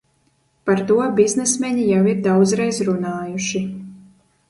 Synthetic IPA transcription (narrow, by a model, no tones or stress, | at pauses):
paɾt̪uɔbʲiznɛsmʲɛɲʲijawiɾd̪awd̪zɾɛjzɾunaːjuʃi